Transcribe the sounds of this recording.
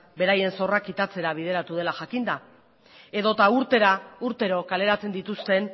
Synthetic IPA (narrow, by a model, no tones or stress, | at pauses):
be̞ɾaje̞nso̞rakit̪at͡se̞ɾaβ̞ið̞e̞ɾat̪uð̞e̞laʝakind̪a | e̞ðo̞t̪auɾt̪e̞ɾauɾt̪e̞ɾo̞kale̞ɾat͡se̞nd̪it̪ust̪e̞n